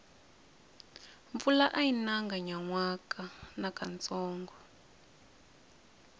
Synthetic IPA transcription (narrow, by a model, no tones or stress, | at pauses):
ɱfulaʔajinaŋɡaɲaŋwakanakant͡sɔːŋɡɔ